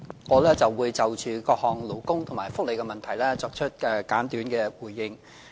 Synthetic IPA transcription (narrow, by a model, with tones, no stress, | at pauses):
ŋɔː˨˧lɛː˥t͡sɐ˨wːuː˨˧jt͡sɐ˨wt͡ʃyː˨˧kɔː˧k̚hɔː˨ŋlo˨˩wkʊ˥ŋt̪ʰʊ˨˩maː˨˩jfʊ˥k̚le˨˩jkɛ˧mɐ˨nt̪ʰɐ˨˩jlɛː˥t͡sɔː˧k̚t͡ʃʰɵ˥t̚ɛː˨kaː˨˥nt̪yː˨˥nkɛː˧wuː˨˩jːɪ˨ŋ